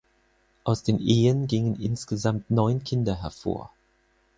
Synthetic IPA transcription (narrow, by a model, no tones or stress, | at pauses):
ʔaʊsd̥eːmʔeːənɡɪŋənʔɪ̰nsɡ̥əzamtnɔʏnkʰɪndɐɦɛɐfo̰ːɐ